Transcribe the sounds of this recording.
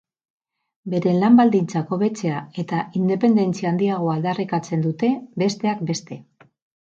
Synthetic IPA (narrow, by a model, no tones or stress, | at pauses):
be̞ɾe̞lambald̪int͡sako̞βe̞t͡se̞ae̞t̪aʔind̪e̞pe̞nd̪e̞nt͡siaːnd̪iaɣ̞o̞ald̪arikat͡se̞nd̪ut̪e̞be̞st̪e̞ak̚be̞st̪e̞